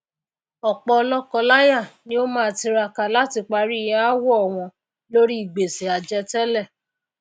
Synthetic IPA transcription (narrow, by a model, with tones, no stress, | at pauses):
ɔ˨k͡pɔ˧lɔ˦kɔ˧la˦ja˦˨nĩ˦o˦mãː˦˧˨ti˧ɾa˧˨ka˨la˦ti˧k͡pa˧ɾi˦i˨j̃ã˦a˦wɔ˦ɔ˨w̃ɔ̃˧ | lo˦ɾi˦i˦˨ɡ͡be˨se˨a˨d͡ʒɛ˧tɛ˦lɛ˦˨